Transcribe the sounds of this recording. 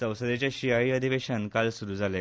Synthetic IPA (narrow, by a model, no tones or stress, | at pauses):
sə̃w̃səd̪et͡ɕaɕiaɭiːəd̪ʱiʋeɕənkalsuɾuːd͡zʱale